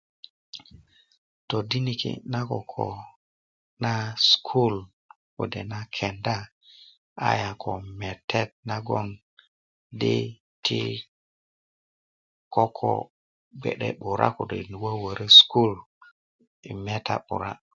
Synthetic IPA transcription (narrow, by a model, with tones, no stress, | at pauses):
to˨di˦ni˨kḭ˨na˦ko˨kʰo̰˨ | na˦skʰu˦l | ko̰˨de˨na˦kʰe˨nda˦ | a̰˦ja˨kʰo˨me˨tʰe˦t̚na˦ɡo˦n | dḛ˦ | tʰi˦ | ko˦kʰo̰˨ | ɡ͡bḛ˨ɗḛ˦ɓu˨ɾʔa̰˦ko˨dḛ˨n˨wa˦wə˨ɾe˦sku˦l | i˨me˦ta̰˦ɓṵ˨ɾa̰˦